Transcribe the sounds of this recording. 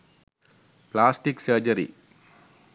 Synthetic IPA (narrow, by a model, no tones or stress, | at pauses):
plaːsʈiksəːd͡ʒɐɾḭ